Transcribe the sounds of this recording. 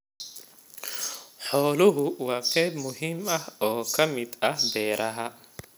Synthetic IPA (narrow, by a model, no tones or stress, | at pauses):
ħɔːlʊɦʊwɑːqɛːjbmʊɦiːmɐhɔːkʰɐmɪd̪ɐhbɛːɾʔɐɦɐ